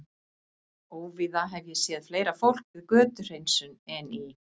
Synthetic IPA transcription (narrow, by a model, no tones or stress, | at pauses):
oːwviðaɦɛvjɛsjɛːðfleːjɾafowl̥kvɪðkœːt̪ʏr̥ejnsʏnɛni